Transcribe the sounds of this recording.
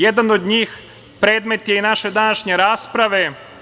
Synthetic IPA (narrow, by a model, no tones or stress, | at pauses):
jed̪anod̪ɲiːx | pɾe̞ːd̪me̞t̪jeinaʃe̞d̪anaʃɲe̞ɾaːspɾaʋe